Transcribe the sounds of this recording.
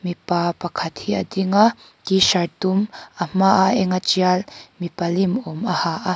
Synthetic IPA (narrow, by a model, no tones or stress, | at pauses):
mipapɐkʰɐt̪hiɐd̪iŋa | tiʃɐrt̪umɐm̥aʔaɛŋat͡ʃialmipɐlimɔmɐhaʔa